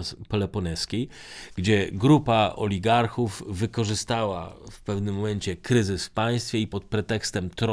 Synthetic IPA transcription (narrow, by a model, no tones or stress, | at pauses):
spɔlɛpɔnɛskʲej | ɡ̥d͡ʑɛɡɾupaʔɔ̰lʲiɡaɾxuvːɘkɔʐɘst̪awa̰fpɛvnɘmːɔmɛɲt͡ɕɛkɾɘzɘsfpaj̃st̪fʲjɛipɔt̪̚pɾɛt̪ɛkst̪ɛmt̪ɾɔ